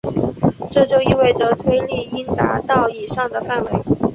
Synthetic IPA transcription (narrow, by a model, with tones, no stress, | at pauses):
ʈ͡ʂɤ˥˩t͡ɕjo˥˧ʊi˥˧we˥˩ɪʈ͡ʂə˨˩t̪ʰwe˥ɪli˥˩i˥nt̪a̰˧˥t̪ɑ˥˩ʊi˨˩ʂɑ˥˩ŋd̪ə˩fa˥˩nwe˧˥ɪ